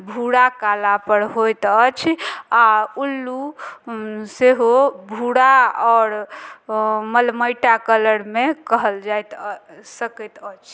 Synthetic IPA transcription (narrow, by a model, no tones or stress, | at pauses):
bʱuɽakalapəɾɦojt̪ət͡ʃʰaulːu | seɦobʱuɽaɔːɾ | məlməjʈakələɾmekəɦəld͡ʒajt̪səkɛt̪ət͡ʃʰ